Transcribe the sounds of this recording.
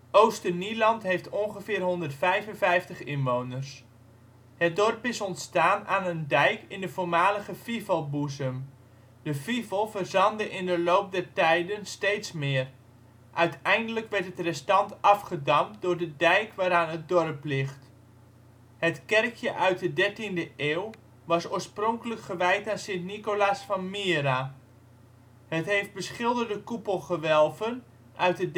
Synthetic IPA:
ʔowstənilɑntɦejftɔŋχəvɪːrɦɔndərtfɛjvənvɛjftəχɪnʋownərs | hət̚dɔrpɪsɔntstaːnaːnəndɛjkɪndəv̥oːrmaːləɣəfivəlˠbuzəm | dəfivəlˠvərzɑndəʔɪndəlowp̚dɛrtɛjdənstejtsmɪːər | ʔœɥtʰɛjndələkʋɛɹtɦətrɛstɑntʰɑfχədɑmdʊːɹdədɛjkʋaːɾaːnɦət̚dɔrəplɪχt | hətkɛrkʰjəʔœɥt̚dədɛɹtindəʔeːw | ʋɑsoːɹsproŋkələkχəʋɛjtaːnsɪntnikolasfɑnmɪːɾa | hətɦejft̚bəsχɪlˠdərdəkupəlˠχəʋɛlˠvən | ʔœɥt̚də

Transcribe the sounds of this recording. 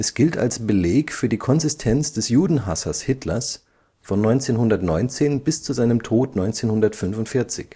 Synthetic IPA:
ʔɛsɡ̥ɪlta̰lsb̥əleːkfyːɐdiːkʰɔnzɪstʰɛnt͡sd̥ɛsjuːdn̩ɦasɐshɪtʰlɐs | fɔnːɔʏnt͡seːnɦʊndɐtnɔʏnt͡seːnbɪst͡suzaɪnəmtʰoːtnɔʏnt͡seːnhʊndɐtfʏnfʊntfɪɐt͡sɪ̰ç

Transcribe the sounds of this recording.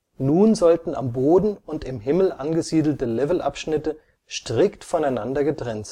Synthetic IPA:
nuːnzɔltn̩a̰mboːdn̩ʊntɪmɦɪml̩ʔanɡəziːdl̩təlɛvl̩ʔa̰pʃnɪtə | ʃtʁ̥ɪktfɔnaɪnandɐɡətʁ̥ɛntz̥

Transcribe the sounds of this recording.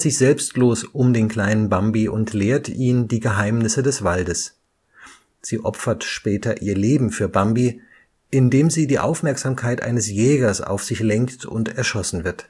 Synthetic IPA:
z̥ɪçz̥ɛlpstloːsʔʊmdeːnkl̥aɪnənbambiʔʊntleːɐtʰʔiːndiːɡəɦaɪmnɪsədɛsv̥aldəs | z̥iːʔɔpfɐtʃpɛːtɐʔiːɐleːbm̩fyːɐbambi | ʔɪndeːmziːdiːʔa̰ʊfmɛɐkz̥aːmkʰaɪtʔa̰ɪnəsjɛːɡɐsa̰ʊfz̥ɪçlɛŋktʰʊ̰ntɛɐʃɔsn̩vɪɐt

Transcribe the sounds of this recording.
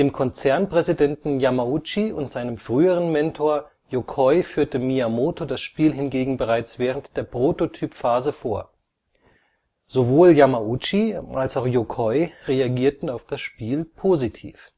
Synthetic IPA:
d̥eːmkʰɔnt͡sɛɐnpʁ̥ɛzidɛntn̩jamaut͡ʃiʊ̰ntz̥aɪnəmfʁ̥yːəʁ̞ənmɛntʰoːɐ | jokʰɔʏfyːɐtəmiamoːtodasʃpiːlɦɪnɡeːɡŋ̩bəʁaɪt͡sv̥ɛːʁəntd̥eːɐpʁ̥oːtotʰyːpfaːzəfoːɐ | z̥ovoːljamaut͡ʃiʔalsaʊxjokʰɔʏʁeaɡiːɐtn̩aʊfd̥asʃpiːlpʰozitʰḭːf

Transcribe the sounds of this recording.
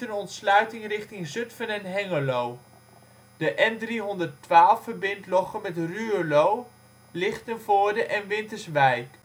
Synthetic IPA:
ənɔntslœɥtɪŋrɪχtɪŋzɵtfənɛnɦɛŋəlow | dəʔɛndriɦɔndərtʋaːlˠfːəɹbɪntlɔχəmɛtryəlow | lɪχtənvʊːɹdəʔɛnʋɪntəɹsʋɛjk

